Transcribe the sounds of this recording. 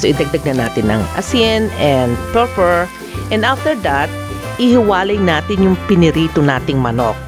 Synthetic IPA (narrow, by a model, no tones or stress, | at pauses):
soʔɪd̪ɐɡ̚d̪ɐɡ̚nɐnaːt̪ɪnɐ̰ŋʔɐ̰sɪnɛnd̪̚pɛɹpɛɹ | ʔɛ̃nd̪aft̪ɛɹd̪ɐt̪̚ | ɪhɪwaːlɐjnaːt̪ɪnjʊŋpɪnɪɾiːt̪onaːt̪ɪŋmɐno̰k̚